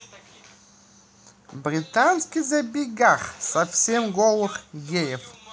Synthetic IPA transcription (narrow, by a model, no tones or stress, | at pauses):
bɾʲɪt̪anskʲɪzɐbʲɪɡaχsɐfsʲemɡolˠɨχjejɪf